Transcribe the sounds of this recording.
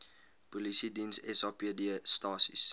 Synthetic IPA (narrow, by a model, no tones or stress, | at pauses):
polisidinsɛsɑːpiədiəstɑːsḭs